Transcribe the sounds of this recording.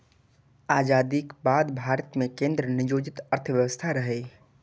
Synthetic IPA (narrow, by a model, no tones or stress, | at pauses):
aːd͡ʒaːd̪ikbaːd̪bʱaːɾət̪mẽkẽːnd̪ɾənɪd͡ʒoːd͡ʒɪt̪əɾt̪ʰʋjəʋəst̪ʰaɾəɦeː